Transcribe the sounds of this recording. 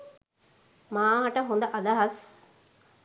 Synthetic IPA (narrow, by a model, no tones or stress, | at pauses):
maːɦɐʈəɦond̪ɐʔɐd̪ɐɦɐs